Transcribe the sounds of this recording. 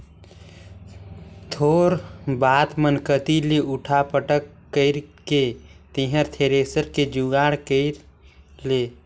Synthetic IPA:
t̪ʰoːɾbaːt̪mənkət̪ileʊʈʰapəʈəkːəɪɾket̪iɦəɾt̪ʰeɾeːsəɾked͡ʒuɡaːɽkəɪɾ | leː

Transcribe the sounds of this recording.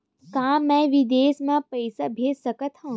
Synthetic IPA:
kãːmɛ̃ʋid̪eːsmãpɐɪsabʱeːd͡ʒsɐkət̪ʰɦõ

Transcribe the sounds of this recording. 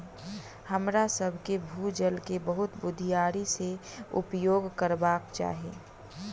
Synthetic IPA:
həmɾasəbʱkebʱuːd͡ʒəlkebəɦʊt̪bʊd̪ʱijaːɾiseʊ̰pjoːɡkəɾbaːkt͡ʃa̰ːɦeː

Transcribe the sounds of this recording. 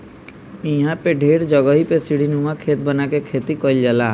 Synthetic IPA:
ĩɦãpeɖʱeːɽd͡ʒəɡəɦipesiɽ̤inumãkʰeːt̪bənakekʰeːt̪ikɔld͡ʒala

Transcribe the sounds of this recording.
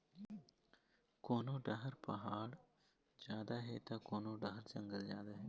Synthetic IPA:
koːnõːɖɐɦəɾpɐɦaːɽ | d͡ʒjaːd̪aɦet̪aːkoːnoɖɐɦəɾd͡ʒə̃ŋɡəld͡ʒjaːd̪aɦe

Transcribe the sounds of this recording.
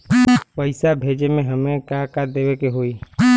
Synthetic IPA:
pəɪsabʱeːd͡ʒemẽɦəmẽkakad̪eːbekeɦoiː

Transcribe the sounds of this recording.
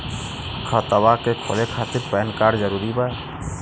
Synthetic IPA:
kʰət̪əbakekʰo̰lekʰat̪iɾpɛːnkaɾd͡ʒəɾuɾiba

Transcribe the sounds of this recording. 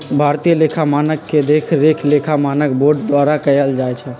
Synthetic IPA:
bʱaɾt̪ijəlekʰamanəkːed̪ekʰɾekʰlekʰamanək̚boɾʈd̪waɾakəjəld͡ʒaɛt͡ʃʰɛ

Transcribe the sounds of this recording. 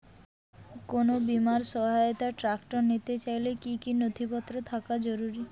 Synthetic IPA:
konobimaɾsʃɔɦajot̪aʈɾakʈoɾnit̪et͡ɕajlekikinod̪ʱipɔt̪ːɾot̪ʰakad͡ʑoɾuɾi

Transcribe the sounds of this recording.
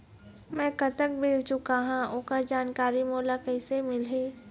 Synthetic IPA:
mɛ̃ːkɐt̪ək̚bʱeːt͡ʃʊkaɦãoːkəɾd͡ʒaːnkaːɾimoːlakəɪsemɪlɦeː

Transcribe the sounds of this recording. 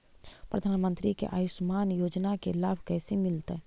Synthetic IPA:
pɾɐd̪ʱaːnmə̃nt̪ɾikḛʔa̰ːjʊʃmaːnjoːd͡ʒnakelaːbʱkɛːsemɪlt̪ɦɛ

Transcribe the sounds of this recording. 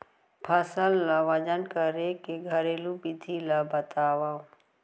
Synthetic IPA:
pʰəsəlːaʋəd͡ʒənkəɾekeɡʱəɾeːlupid̪ʱʰilabət̪aːʋau

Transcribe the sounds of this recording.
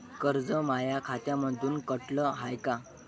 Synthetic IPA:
kəɾd͡zəmajakʰat̪jaməd̪ʱuːnkəʈləɦajka

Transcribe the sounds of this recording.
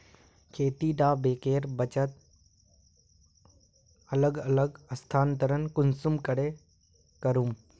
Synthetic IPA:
kʰeːt̪iːɖaːbeːkeːɾbət͡ʃət̪̚ | ɐləɡɐləɡɐst̪ʰaːnt̪əɾənkʊnsʊmkəɽe | kəɾuːm

